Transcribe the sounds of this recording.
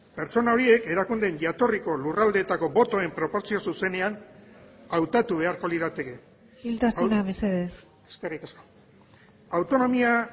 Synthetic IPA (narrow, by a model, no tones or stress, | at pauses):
pe̞ɾt͡ʃo̞nao̞ɾie̞ke̞ɾakund̪e̞nʝat̪o̞riko̞lurald̪eːt̪ako̞bo̞t̪o̞e̞mpɾo̞po̞ɾt͡sio̞suse̞ne̞an | awt̪at̪uβ̞e̞aɾko̞liðat̪e̞ke̞ | ilt̪asenameseðer | eskerikesko̥ | awt̪o̞no̞mia